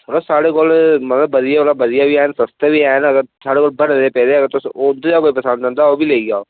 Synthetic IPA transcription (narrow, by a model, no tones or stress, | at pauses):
sʰəloːsaːɽeːkolmət̪ləbːəd̪ɪjaːolabəd̪ɪjaːʋiːaːnsəst̪eʋiːaːnəɡəɾsaːɽeːkoːlbəɽd̪eːpɛːd̪eːəɡəɾt̪ʊsoːd̪d͡ʒaːkoːiːpəsə̃nd̪d̪ə̃nd̪aːoːbiːleːiɡaː